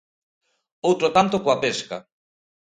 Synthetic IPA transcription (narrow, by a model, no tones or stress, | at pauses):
owt̪ɾot̪ant̪okoapeska̰